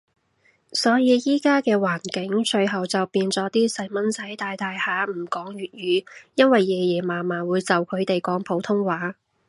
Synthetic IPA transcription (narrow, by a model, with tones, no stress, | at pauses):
sɔː˨˥jiː˨˧jiː˥kaː˥kɛː˧waː˨˩nkɪ˨˥ŋt͡ʃɵ˧ɥɦɐ˨wt͡sɐ˨wpiː˧nt͡sɔː˨˥t̪iː˥sɐ˨˥jmɐ˨˥nsɐ˨˥jt̪aː˧jt̪aː˨jhaː˨˧m̩˨˩kɔː˨˥ŋɥyː˨t̚ɥyː˨˧jɐ˥nwɐ˨jːɛː˨jɛː˨˩maː˨˩maː˨˩wuː˨˧jt͡sɐ˨wkʰɵ˨˧ɥt̪e˨jkɔː˨˥ŋpʰo˨˥wt̪ʰʊ˥ŋwaː˨˥